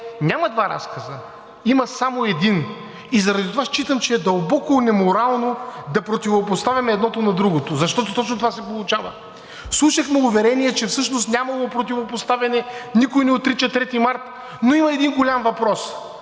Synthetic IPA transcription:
nʲamɐd̪vaɾa̰skɐzə | imɐsamoɛd̪in | izɐɾɐd̪it̪ovaʃt͡ʃit̪əmt͡ʃɛɛd̪ɐlˠbɔkonɛmoɾalˠnod̪ɐpɾot̪ivopost̪avʲɐmɛːd̪nɔt̪onɐd̪ɾuɡot̪ozɐʃt̪ɔt̪ot̪ɔt͡ʃnot̪ovasɛpolˠʊt͡ʃavə̰ | fslˠuʃɐxmɛʊvɛɾɛniɛt͡ʃɛfsɤʃnost̪nʲamɐlˠopɾot̪ivopost̪avʲɐnɛnikojnɛot̪ːɾit͡ʃɐt̪ɾɛt̪imaɾt̪ | noimɐɛd̪inɡolʲamvɐpɾɔs

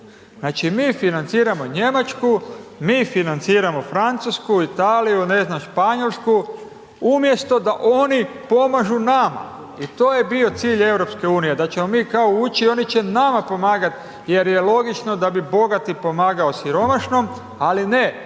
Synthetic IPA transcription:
znaːt͡ʃimiːfinant̪siːɾamo̞ɲe̞mat͡ʃkumiːfinant̪siːɾamo̞fɾant̪suskuit̪aːlijune̞znamʃpaɲo̞lsku | umje̞st̪o̞d̪aʔo̞nipo̞maʒunama̰ | it̪o̞ːje̞bio̞t̪siːʎe̞wɾo̞pske̞uːnije̞d̪at͡ʃe̞mo̞miːkaout͡ʃio̞nit͡ʃe̞namapo̞maːɡat̪ | je̞ɾje̞lˠo̞ɡit͡ʃno̞d̪abibo̞ɡat̪ipo̞maːɡao̞siɾo̞maʃno̞m | aline

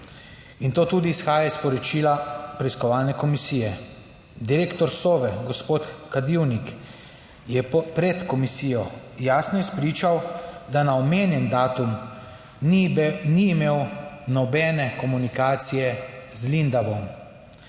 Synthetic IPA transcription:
int̪oːt̪uːd̪iːsxaːjaispɔɾɔt͡ʃiːlapɾɛiskɔʋaːlnɛkɔmisiːjɛ | d̪iɾeːkt̪ɔɾsoːʋɛɡɔspoːt̪kad̪iwnik | jɛpɾɛt̪kɔmisiːjɔjaːsnɔispɾiːt͡ʃawd̪anaɔmeːnjɛnd̪aːt̪um | niːmeːwnɔbɛnɛkɔmunikaːt̪sijɛzlind̪aʋɔm

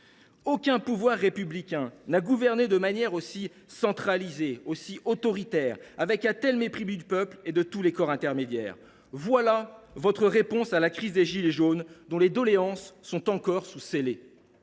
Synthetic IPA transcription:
okʲɛ̃puvwaʁːepyblikʲɛ̃naɡuvɛʁned̪əmanjɛʁosi | sɑ̃t̪χalizeosiʔot̪ɔʁit̪ɛʁavɛkat̪ɛlmepχibyd̪ypœpled̪ət̪ulekɔʁɛ̃t̪ɛʁmed̪jɛ̰ːʁ | vwalavɔt̪χəʁepɔ̃salakχizd̪eʒileʒond̪ɔ̃led̪ɔleɑ̃sːɔ̃t̪ɑ̃kɔʁsusele

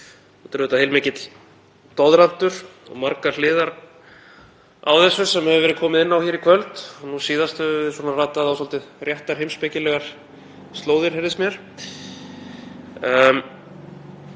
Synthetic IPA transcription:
ɔt̪ʏɾʏːt̪ahejlmɪːcɪt̪l | t̪ɔðɾan̥t̪ʏɾ̥ɔ̰ɣmaɾkaɾlɪːðaɾ | a̰wθɛsvʏsɛmhɛvʏvɛːɾɪðkʰɔːmɪðɪnːawçɛːɾikʰvœlt̪ɔnusiːðast̪ʏɪswɔːnaraːt̪aθawsɔlt̪ɪrjɛht̪aɾ̥hejmspɪcɪlɛɣaɾ̥ | st̪loːwðɪɾ̥hɛɾðɪsmjɛɾ̥

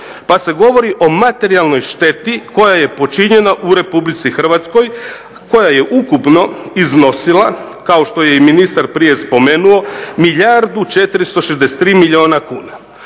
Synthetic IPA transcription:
pase̞ɡo̞ʋo̞ɾiʔo̞mat̪e̞ɾialno̞jʃt̪e̞t̪iko̞jaje̞po̞t͡ʃiɲe̞naʔuɾe̞publit̪sixr̩ʋat̪sko̞j | ko̞jaje̞ʔukupno̞izno̞silˠa | kao̞ʃt̪o̞je̞iminist̪aɾpɾije̞spo̞me̞nuo̞miʎaɾd̪ut͡ʃe̞t̪ɾist̪o̞ʃezd̪ese̥t̪ːɾiːmilʎio̞ːnakuːna

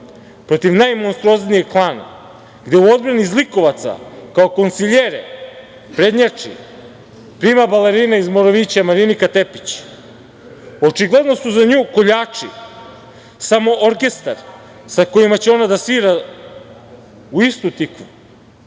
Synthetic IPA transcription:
pɾo̞t̪iʋnajmo̞nst̪ɾuo̞znijeɡklˠaːna̰ | ɡd̪euo̞d̪̚bɾanizliko̞ʋat̪sa̰kaoko̞nt̪siʎeɾḛ | pɾe̞d̪ɲat͡ʂḭ | pɾiːmabaleɾiːnaizmoɾoʋit͡ɕamaɾinikat̪e̞pi̥t͡ɕ | o̞t͡ʂiɡle̞d̪no̞suzaɲuːko̞ʎaːt͡ʂi | samo̞ʔoɾke̞st̪aɾ | sako̞imat͡ɕeo̞nad̪asiːɾa | uist̪ut̪ikʋu

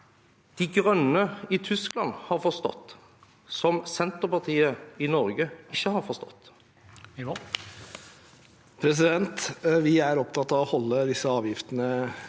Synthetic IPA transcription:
d̪̥iɡɾœnːəɪt̪ʰʏsklɑnhɑɾfɔst̪ɔ̰t̪ː | sɔmsɛnt̪əɾpɑʁt̪ʰiːəɪnɔɾɡəɪçːəhɑɾfɔst̪ɔ̰t̪ː | pʰɾɛs̬ɪd̪ɛnt̪ʋɪæɾɔpt̪ʰɑt̪ɑʋɔhɔlːəd̪ɪsəɑːʋjɪft̪ənə

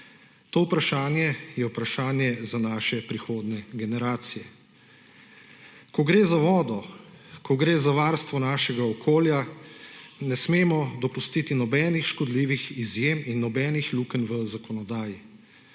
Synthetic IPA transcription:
t̪oːupɾaʃaːnjɛjɛwpɾaʃaːnjɛzanaːʃɛpɾixoːd̪nɛɡɛnɛɾaːt̪sijɛ | kɔɡɾeːzaʋɔːd̪ɔkʰɔɡɾeːzaʋaːɾst̪ʋɔnaːʃɛɡaɔkʰoːlja | nɛsmeːmɔd̪ɔpust̪it̪inɔbɛːnixʃkɔd̪liʋixizjeminːɔbɛːnixlukənʋəzakɔnɔd̪aːji

